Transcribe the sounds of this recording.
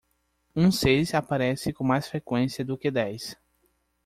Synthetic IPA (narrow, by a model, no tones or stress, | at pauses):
ũsezapaɾɛsɪkõmajsfɾekwẽsiɐd̪ʊkɪd̪ɛjs